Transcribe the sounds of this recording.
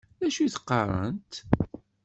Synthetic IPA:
ðæʃuθə̥qːɑrˤə̰nt̪

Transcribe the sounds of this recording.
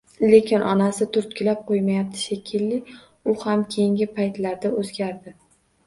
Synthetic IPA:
le̞kʲʰɪnʔɒnasɪt̪ʰʊɾt̪̚kʲʰɪlap̚qʰojmajap̚t̪ʰɪ̥ʃekʲʰɪlːɪ | ʊhamkʲʰe̞jɪŋɡʲɪpʰajt̪laɾd̪aozɡʲaɾd̪ɪ

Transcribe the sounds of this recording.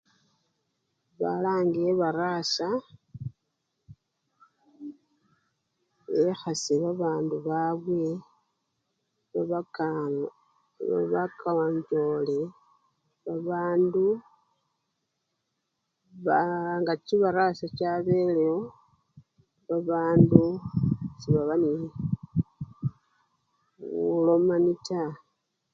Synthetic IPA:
βa̰laːŋɡieβaɾasa | exaseβaβaːnduβaβwe̞ | βaβa | a̰βakaɲd͡ʒole | βaβaːndu | βaŋɡat͡ʃiβaɾasat͡ʃaβe̞leo | βaβaːndu | t͡ʃiβaβani | ulo̞manita

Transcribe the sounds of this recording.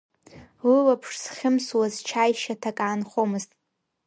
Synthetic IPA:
wilapʰʂsχʲɪmswazt͡ʃʰajʃatʰakʼaːnχomɨztʼ

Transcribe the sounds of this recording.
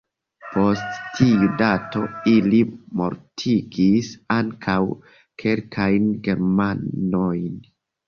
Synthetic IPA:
po̞stːʰiudato̞ilimo̞̰ɾtʰiɡisaŋkʰaw | kʰe̞lkʰajnɡe̞ɾmanojn

